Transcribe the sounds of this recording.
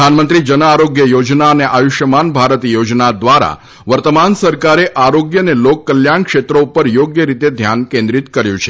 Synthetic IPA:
anmənt̪ɾid͡ʒənaaɾoɡjəjod͡ʒnaəneʔajuʃjəmanbʱaɾət̪jod͡ʒnad̪ʋaɾa̰ | ʋəɾt̪əmansəɾkaɾeʔaɾoɡjənelokːəljankʃet̪ɾoupəɾjoɡjəɾit̪ed̪ʱjankẽnd̪ɾit̪kəɾjũt͡ʃʰe

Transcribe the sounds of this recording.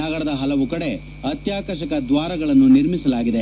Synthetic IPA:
ɐɡɐɽɐd̪ɐɦɐlɐʋukɐɽe̞ | ɐt̪jaːkɐɾʃɐkɐd̪ʋaːɾɐɡɐɭɐnːuniɾmisɐlaːɡid̪e̞

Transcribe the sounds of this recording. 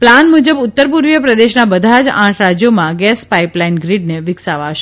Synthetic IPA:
planmud͡ʒəbʊt̪ːəɾpuɾʋjəpɾəd̪eʃnabəd̪ʱad͡ʒã̰ʈʰɾad͡ʒjomãɡɛspaiplainɡɾiɖ̚neʋɪksaʋaʃ

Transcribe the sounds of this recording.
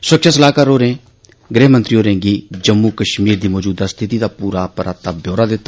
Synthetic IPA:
sʊəkʃʰaːsəlaːkaːɾoːɾẽː | ɡɾeːɦmənt̪ɾiːoːɾẽːɡiːd͡ʒəmːukəʃmiːɾd̪iːmɔːd͡ʒuːd̪aːst̪ʰɪt̪iːd̪aːpuːɾaːpəɾaːt̪aːbjoːɾaːd̪ɪt̪ːa

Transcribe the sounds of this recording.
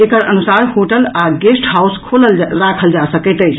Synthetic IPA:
ekəɾənusaɾhoʈəlaɡesʈɦauskʰoləlɾakʰəld͡ʒasəkəɪt̪əjt͡ʃʰ

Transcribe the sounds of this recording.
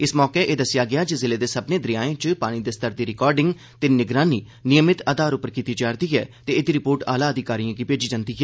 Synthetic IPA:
ɪsmɔːkeʔeːd̪əsɪjaːɡɪjaːd͡ʒizɪleːd̪eːsəbneːd̪ɾɪjaːẽːt͡ʃpaːɽ̃id̪eːst̪əɾd̪iːɾɪkɔːɾɖɪ̃ŋɡ | t̪enɪɡɾaːniː | nɪjəmɪt̪aːd̪aːɾʊpəɾkiːt̪iːd͡ʒaːɾd̪iːɦɛːt̪eːɪd̪iːɾɪpoːɾʈa̰ːlaːəd̪ɪkaːɾijãːɡiːpeːd͡ʒiːd͡ʒənd̪iːɦɛː

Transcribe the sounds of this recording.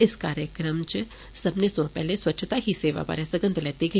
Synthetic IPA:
ɪskaːɾjəkɾəmt͡ʃ | sɐbnesõpɛɦlesʋɐtːʃʰt̪aɦiseːʋa̰ba̰ːɾesəɡə̃nd̪lɛːt̪ekʰi

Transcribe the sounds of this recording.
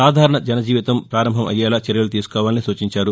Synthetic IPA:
saːd̪ʱaːɾɐɳɐd͡ʒɐnɐd͡ʒiːʋit̪ɐmpɾaːɾɐmbʱɐmʔɐ̰jaːlaːt͡ʃɛɾjɐlut̪̬iːsu̥kɔːʋaːlɐnisuːt͡ʃiɲt͡ʃaːɾu

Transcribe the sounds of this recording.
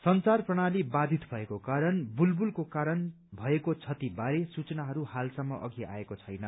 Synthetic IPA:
sʌnt͡sarprʌɽ̃alibad̪ʱit̪bʱʌekokaɾʌnbulbulkokaɾʌn | bʱʌekot͡sʰʌt̪ibaɾesut͡sʌnaɦʌɾuhalsʌmːʌʔʌ̰ɡia̰ekot͡sʰʌjnʌ

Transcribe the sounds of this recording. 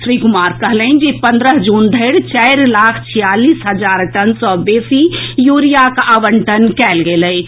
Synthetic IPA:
ʃɾikʊmaːɾkəɦlɛnd͡ʒepə̃nd̪ɾəɦd͡ʒuːnd̪ʱəɪɽt͡ʃɛɪɾlaːkʰt͡ʃʰijaːliːsɦəd͡ʒaːɾʈənsɔbeːsijuɾijakaʋəɳʈənkɛlɡeləj

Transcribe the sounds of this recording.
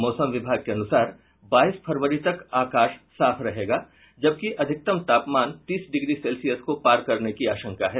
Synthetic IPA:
mɔːsəmʋɪbʱaːɡ̚keɐnʊsaːɾ | baːiːspʰɐɾʋəɾit̪ɐkaːkaːʃsaːpʰɾɐɦeːɡaː | d͡ʒɐb̚kiʔɐd̪ʱɪk̚t̪əmt̪aːpmaːnt̪iːsɖɪɡɾisɛːlsijəskopaːɾkɐɾnekiaːʃə̃ŋkaɦɛː

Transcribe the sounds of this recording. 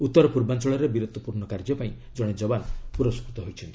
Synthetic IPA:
ut̪ːɔɾɔpuɾbant͡ʃɔɭɔɾebiɾɔt̪wɔpuɾɳɔkaɾd͡ʒjɔpaĩ | d͡ʒɔɽ̃ed͡ʒɔbanpuɾɔskɾut̪ɔɦojt͡ʃʰɔnt̪ii̥

